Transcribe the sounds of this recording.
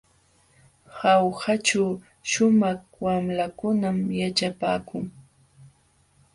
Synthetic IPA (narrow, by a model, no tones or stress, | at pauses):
hawhat͡ʃaw | ʃʊmɑχ | wamlakʊnamjat͡ʃapaːkʊŋ